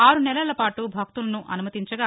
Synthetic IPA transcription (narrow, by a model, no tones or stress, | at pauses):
aːɾunɛlɐlɐpaːʈubʱɐk̚t̪ulɐnuʔɐ̰numɐt̪iɲt͡ʃɐɡaː